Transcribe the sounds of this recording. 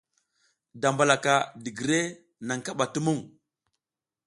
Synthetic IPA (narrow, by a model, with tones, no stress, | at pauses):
da˨mba˨la˨ka˨di˨ɡi˨ɾe˦ | na˨ŋka˦ɓa˨tu˦mu˦ŋ